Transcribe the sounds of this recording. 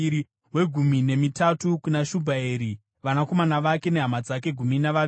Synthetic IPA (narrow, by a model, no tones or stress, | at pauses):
i | we̞ɡʱumine̞mitatukunaʃubʱaeːɾi | ʋanako̞manaʋake̞ne̞ɦamad͡zak̬e̞ɡʱuminaʋaʋ